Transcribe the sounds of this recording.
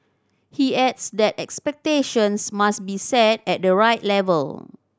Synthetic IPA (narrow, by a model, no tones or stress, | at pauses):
hiɛdsdɛtɛkspɛk̚teʃə̃nsmasbisɛtɛt̚dəɹaɪtlɛvə̰l